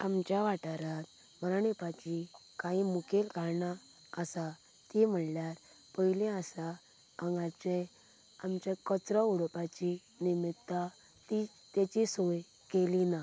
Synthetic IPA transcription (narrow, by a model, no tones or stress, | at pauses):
amt͡ɕjaʋaʈaɾat̪ | məɾanepat͡ɕikaɦimukelkaɾɳaː | sa | t̪im̤əɳljaɾ | pəilɛasa | aŋɡat͡ɕe | amt͡ɕakət͡sɾəuɽpat͡ɕi | nimit̪ːa | t̪i | t̪jat͡ɕisoj | kelina